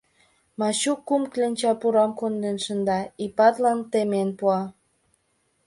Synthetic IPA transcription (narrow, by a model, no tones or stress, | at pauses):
mɑɕukːumklenʲt͡ɕɑpuɾɑmkond̪enʃənd̪ɑipɑt̪lɑnt̪emenpuɑ